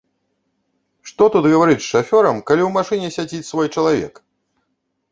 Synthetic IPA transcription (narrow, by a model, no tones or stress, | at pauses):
ʂt̪ɔt̪ut̪ɣɐvaɾɨt͡sʲʂafʲɔɾɐmkalʲiwmaʂɨnʲɛsʲad͡zʲit͡sʲsvɔjt͡ʂɐlˠavʲɛ̰k